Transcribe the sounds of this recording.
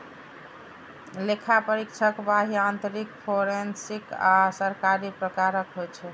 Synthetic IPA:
lekʰapəɾikt͡ʃʰəkbaɦiant̪əɾikpʰoɾensika̰səɾkaɾipɾəkaɾəkɦojt͡ʃʰɛ

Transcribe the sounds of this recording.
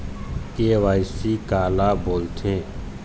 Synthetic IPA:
keːʋaːɪsiːkaːlaːboːlt̪ʰẽː

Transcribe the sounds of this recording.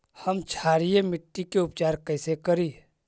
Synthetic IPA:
həmt͡ʃʰaːɾijemɪʈːikeʊp̚t͡ʃaːɾkəɪsekəɾiː

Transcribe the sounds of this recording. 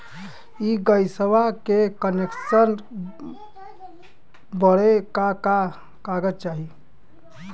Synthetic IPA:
iɡəjsəʋakekəneksən | bəɽekaka | kaɡətt͡ʃaɦi

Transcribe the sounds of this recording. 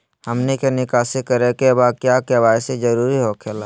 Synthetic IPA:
həmnekenɪkaːsekəɾekebakjakebaːsed͡ʒəɾuːɾiɦokʰeːlaː

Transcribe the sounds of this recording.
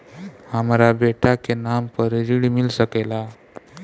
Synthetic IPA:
hamɾabeʈakenampəɾɾiɽmilsəkela

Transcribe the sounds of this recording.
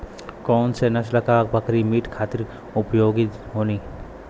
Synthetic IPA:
kɔːnsenɐʃlɐkaːk̚bɐkɾimiːʈkʰaːt̪ɪɾ | ʊpjoːɡɪt̪ɦoːniː

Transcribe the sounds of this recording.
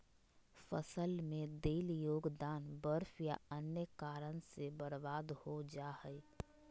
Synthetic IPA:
fəsəlmẽd̪eːljoːɡd̪aːnbəɾfʰja̰ənjəkaːɾənsebəɾbaːd̪hod͡ʒaɦəj

